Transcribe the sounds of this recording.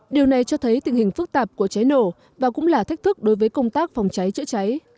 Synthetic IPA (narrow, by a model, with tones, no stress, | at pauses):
ɗi˨˩əwna˨˩jt͡ɕɔ˧t̪ʰə˨˦jt̪i˨˩ŋ̟hï˨˩ŋ̟fɨ˦˥k̚t̪aː˨˩p̚ku˧˩ət͡ɕa˨˦jno̰˧˩ | vaː˨˩kʊ̰˧˥ŋ͡mlaː˨˩t̪ʰa˦˥k̟̚t̪ʰɨ˦˥k̚ɗo˨˦jvəː˨˦jkə˧wŋ͡mt̪aː˦˥k̚fɔ˨˩wŋ͡mt͡ɕa˨˦jt͡ɕɨ̰˧˥t͡ɕa˨˦j